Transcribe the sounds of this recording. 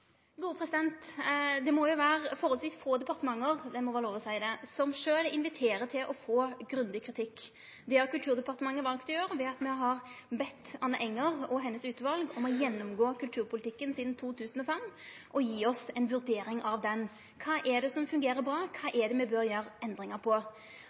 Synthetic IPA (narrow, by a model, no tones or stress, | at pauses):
ɡuːɾəpʰʁɛsɪd̪ɛnt̪d̪ɛmɔjʊʋæːɾəfɔɾʁɔlsʋiːsfoːd̪ɛpɑʁt̪əmɑŋːəɾd̪ɛmɔʋɛːʁəloːʋɔsæɪd̪ɛsɔmʂøːlɪnʋɪt̪ʰeːɾət̪ʰɪlʔɔfoːɡɾʉnd̪ɪkʰɾɪt̪ʰɪkː | d̪ɛhɑɾkʉlt̪ʰʉːʁd̪ɛpɑʁt̪əmɑŋːəʋɑlkt̪ɔjøːɾəʋɛɑt̪mɛɦɑʁbɛt̪ːɑnːəʔɛŋːəʁɔɦɛnːəsʉːt̪əʋɑlɡɔmɔjɛnːʊmɡoːkʰʉlt̪ʰʉːɾpʰʊlɪt̪ɪkːənsiːd̪n̩t̪ʰuːt̪ʰʉːsən̩ɔfɛmʔɔjiːɔsɛnʋʉɾd̪eːɾɪŋɑʋd̪ɛn | kʰɑːʔɛɖ̪ɛsɔmfʉŋɡeːɾəɾbɾɑːkʰɑːʔɛd̪ɛmɛbøɾjøːɾɛnd̪ɾɪŋəʁpʰɔ